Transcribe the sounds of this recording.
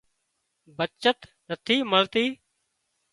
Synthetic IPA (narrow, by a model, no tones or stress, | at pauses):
bət͡ʃət̪nət̪ʰiːməlt̪iː